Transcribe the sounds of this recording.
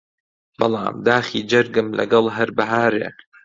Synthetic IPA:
bɑlˠɑ̰ːmd̪aːxiːd͡ʒɐɾɡɨmlɐ̰ɡɐlˠɦɐɾbɐɦaːɾḛː

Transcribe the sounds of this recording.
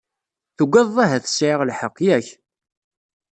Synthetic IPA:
θuɡʷæðˤæɦæθə̥sʕɪʁlħəqːjæç

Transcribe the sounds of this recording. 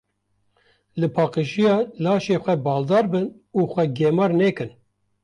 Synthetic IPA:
lɨpʰɑːqəʃijɑːlɑːʃeːxʷɛbɑːld̪ɑːɾbɨn | uːxʷɛɡeːmɑːɾneːkɨn

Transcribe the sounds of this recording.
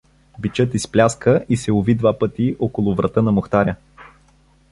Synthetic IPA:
bit͡ʃɤt̪isplʲaskəʔisɛʊvid̪vapət̪iʔokolˠʊvɾʔɐt̪ənɐmoxt̪aɾʲjə

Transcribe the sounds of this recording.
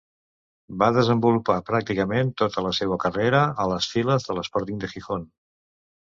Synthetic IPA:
baðəzəmbulupapɾak̚t̪ikəment̪ot̪ələsewəkəreɾəələsfiləzðələspɔɾt̪iŋd̪əxixon

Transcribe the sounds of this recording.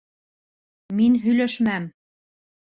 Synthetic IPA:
minɦyløʃmæm

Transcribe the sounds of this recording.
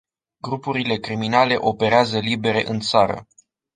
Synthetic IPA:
ɡɾupuɾile̞kɾiminale̞ʔo̞pe̞ɾeazəlibe̞ɾe̞̰ʔɨnt̪saɾə̰

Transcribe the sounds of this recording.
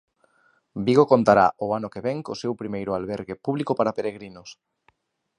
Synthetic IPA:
biɣokont̪aɾa̰ʔʊanokeβeŋko̰sewpɾimejɾʊalβeɾɣepuβlikopaɾapeɾeɣɾinʊs

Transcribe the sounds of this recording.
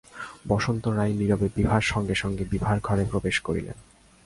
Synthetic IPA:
bɔʃont̪oɾajniɾobebibʱaɾʃɔŋɡeʃɔŋɡebibʱaɾɡʱɔɾepɾobeʃkoɾḭlḛn

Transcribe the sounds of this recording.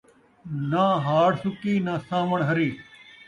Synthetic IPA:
nãːɦaːɽsʊkiːnaːsãːʋəɳ̃ɦɐɾiː

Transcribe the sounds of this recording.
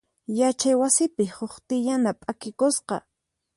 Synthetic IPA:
jat͡ʃajwasɪpɪhoχt̪ɪʎanapʼakɪkosqɑ̰

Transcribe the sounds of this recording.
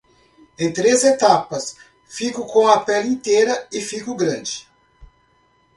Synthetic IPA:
ẽj̃t̪ɾezet̪apɐs | fikʊkõw̃ɐpɛlĩnt̪ejɾɐɪfikʊɡɾɐ̃d͡ʒɪ

